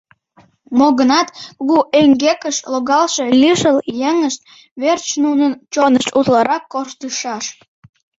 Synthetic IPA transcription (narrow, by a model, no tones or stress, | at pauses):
moɣənɑt̪kuɣuʔeŋɡekəʃloɣɑlʃelʲiʃəljenəʃt̪̚ | βert͡ɕnunənt͡ɕonəʃt̪ut̪lɑɾɑkːoʃt̪yʃɑʃ